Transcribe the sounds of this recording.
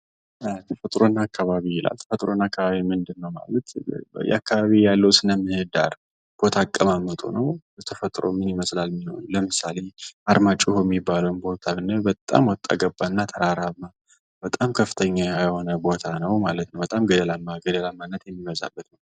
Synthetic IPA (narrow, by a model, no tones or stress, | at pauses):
t̪ʰəfət̪ʼɾo̞nːakʰːaβaβijɪla̰lt̪ʰə̥fət̪ʼɾonakːaβaβimɨnd̪ɨnːəwma̰lət̪jɛ̰akʰːaβaβijalːəwsɨnəmːɨhɨd̪a̰ɾ | b̥o̞t̪ʰakʼːəmamːət̪ʼṵnəw | t̪ʰəfət̪ʼɾo̰mɨniməslalmino̞̰nləmɨsale̞ad̪mat͡ʃʼuhoɛmːibːaləwnbo̞t̪ʰaβɨnːəbət̪ʼa̰mwɔt̪ʼːa̰ɡəbːaɨnːat̪ʰəɾaɾaβma | bət̪ʼamkʰəfːɨt̪ʰəɲːaajəho̞nəbo̞t̪ʰanəwmalət̪nəwbət̪ʼamɡəd̪əlamaɡəd̪əlamːanːət̪jɛmːiməza̰bːət̪nəw